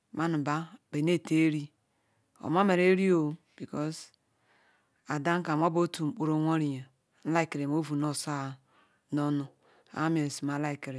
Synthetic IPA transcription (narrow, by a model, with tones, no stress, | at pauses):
ma˦nu˨ba˦be˨ne˦˨te˦ɾi˦ | o̰˨ma˦me˨ɾe˦ɾi˦o˨ | b̥i˨kɔ˦s | a˨da˦ŋ˦ka˨m˦o˦bo˦tu˨m̩˨k͡po˨ɾo˦ŋʷo˦ɾi˨ja˨ | n̩˦la˦i˨ke˨ɾe˨m˦o˦vu˨no˦˨sa˦˨ | no˦nu˨ | a̰˨˦me˨n˨si˨ma˨˦la˦i˨ke˨ɾe˨